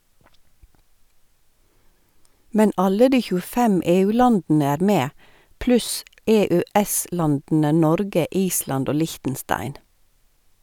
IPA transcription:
ˈmɛn ˈɑlə ˈdiː çʉːəˈfɛm ˌeːˌʉːˈlɑndn̩ə ˈæːɾ ˈmeː ˈplʉs ˌɛˌœˈɛˌslɑndn̩ə ˈnɔɾɡə ˈʔiːslɑnd ˈoː ˈlɪçtn̩ˌstɑɪn

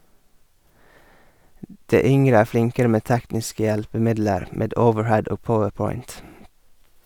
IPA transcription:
ˈdeː ˈʏŋɾə ˈæː ˈflɪŋkəɾə ˈmeː ˈtæknɪskə ˈjælpəˌmɪdləɾ ˈmeːd ˈəʊʋəɹˌhɛd ˈoːɡ ˈpɔʋəɹˌpɔʏnt

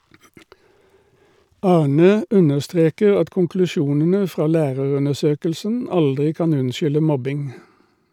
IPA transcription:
ˈɑːˌɳøː ˈʉnəʁˌstʁeːkəʁ ˈɑt kʊŋklʉˈʃuːnənə ˈfʁɑː ˈlæːʁəʁʉnəˌʃøːkəlsən ˈɑldʁɪ ˈkɑːn ˈʉnˌʃʏlə ˈmɔbɪŋ

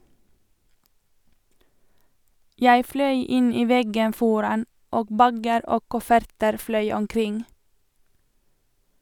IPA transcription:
ˈjæɪ ˈflœʏ ˈɪn ˈiː ˈʋɛɡən ˈfɔɾɑn ˈoː ˈbæɡəɾ ˈoː ˈkʊfəɾtəɾ ˈflœʏ ɔmˈkɾɪŋ

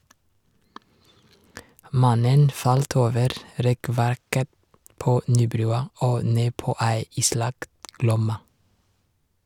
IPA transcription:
ˈmɑnən ˈfɑlt ˈoːʋəɾ ˈɾɛˌkʋæɾkə ˈpoː ˈnyːˌbɾʉːɑ ˈoː ˈneː ˈpoː ˈæɪ ˈiːˌslɑkt ˈɡlɔmɑ

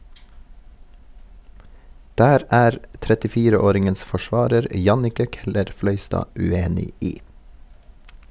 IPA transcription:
ˈdæːɾ ˈæːɾ tɾɛtɪˈfiːɾəˌoːɾɪŋəns fɔˈʃʋɑːɾəɾ ˈjɑnɪkə ˈkɛləɾˌflœʏstɑː ʉˈeːnɪ ˈiː

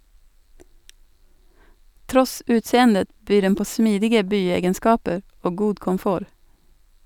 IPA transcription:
ˈtɾɔs ˈʉːtˌseːəndə ˈbyː ˈɖɛn ˈpoː ˈsmiːdɪɡə ˈbyːˌeːɡənˌskɑːpə ˈoː ˈɡuː kɔmˈfoːɾ

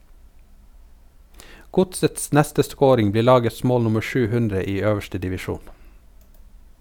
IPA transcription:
ˈɡʊtsəts ˈnɛstə ˈskoːɾɪŋ ˈbliːɾ ˈlɑːɡəs ˈmoːl ˈnʊmə ˈʃʉː ˈhʉndɾə ˈiː ˈøːʋəʃtə dɪʋɪˈʃuːn

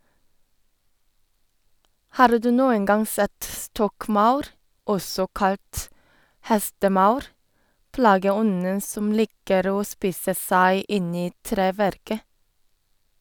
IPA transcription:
ˈhɑːɾ ˈdʉː ˈnuːən ˈɡɑŋ ˈsɛt ˈstɔkˌmɑʉɾ ˈɔsɔ ˈkɑlt ˈhɛstəˌmɑʉɾ ˈplɑːɡəˌɔnə ˈsɔm ˈlɪkəɾ ˈoː ˈspiːsə ˈsæɪ ˈɪn ˈiː ˈtɾeːˌʋæɾkə

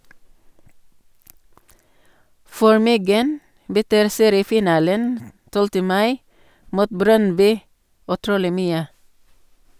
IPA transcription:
ˈfɔɹ ˈmʏɡən bəˈtyːɾ ˈseːɾɪəˌfiːˌnɑːlən ˈtɔltə ˈmɑɪ ˈmuːt ˈbɾœnˌbyː ʉˈtɾuːlɪ ˈmyːə

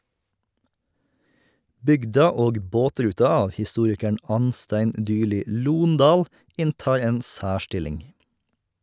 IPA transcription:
ˈbʏɡdɑ ˈoːɡ ˈboːˌtɾʉːtɑ ˈɑːʋ hɪˈstuːɾɪkəɳ ˈɑnˌstæɪn ˈʔdʏˌɭiː ˈluːnˌdɑːl ˈɪnˌtɑːɾ ˈeːn ˈsæːˌʃʈɪlɪŋ

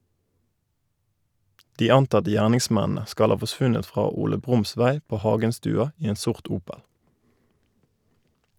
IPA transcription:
ˈdiː ˈɑntɑtə ˈjæːʁnɪŋˌsmɛnənə ˈskɑl ˈhɑː fɔˈsʋʉnət ˈfʁɑː ˈuːlə ˈbʁʊmˌsʋæɪ ˈpoː ˈhɑʉɡənstʉːɑ ˈiː ˈeːn ˈsʊʁt ˈuːpəl

